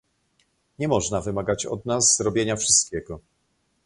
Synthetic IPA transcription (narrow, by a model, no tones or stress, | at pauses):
ɲɛmɔʐnavɘmaɡat͡ɕɔ̰d̪nazzɾɔbʲjeɲafʂɘst̪̚kʲɛɡɔ